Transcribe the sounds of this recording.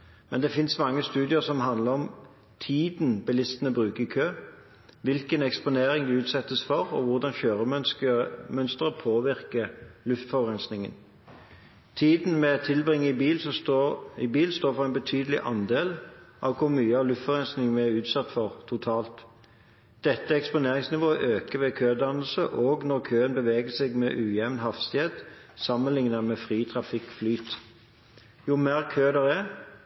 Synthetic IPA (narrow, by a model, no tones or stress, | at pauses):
mʔɛnd̪ɛfɪnsmɑŋːəst̪ʉːd̪ɪəʁsɔmɦɑnd̪ləʁɔm | t̪ʰiːd̪n̩bɛlɪst̪ənəbʁʉːkəʁɪkʰøː | ʋɪlkənɛkspʊneːɾɪŋd̪ɛʉːt̪sɛt̪ːəsfɔʁɔʋʊʁd̪ɑnçøːʁəm | mœnst̪əʁəpʰoːʋɪʁkəlʉft̪fɔʁɛnsnɪŋə̰n | t̪ʰiːd̪n̩mɛt̪ʰɪlbʁɪŋːəɪbiːlsɔɪbiːlst̪oːɾfɔʁɛɪnbət̪ʰyːd̪əlɪ̰ʔɑnd̪eːlʔɑʋkʰʊɾmyːəɑʋlʉft̪fɔʁɛnsnɪŋənæɾʉːt̪sɑt̪ːfɔʁt̪ʰʊt̪ʰɑːlt̪ | d̪̥ɛt̪ːəɛkspʊneːʁɪŋsnɪʋoːəʔøːkəʋɛkʰøːd̪ɑnəl̩səʔoːɡnɔɾkʰøːənbəʋeːɡəsɛɡmɛʔʉːjɛʋnɦɑfst̪ɪheːt̪ | sɑmːənlɪŋnəmɛfʁiːt̪ʰʁɑfɪkːflyːt̪ | jʊmeːʁkʰøːd̪ɛʁɛ